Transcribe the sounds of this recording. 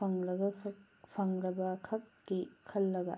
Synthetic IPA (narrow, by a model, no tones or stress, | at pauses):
ɐŋɾɐɡɐ | pʰɐŋɾɐbɐkʰɐk̚kikʰɐlːɐɡɐ̰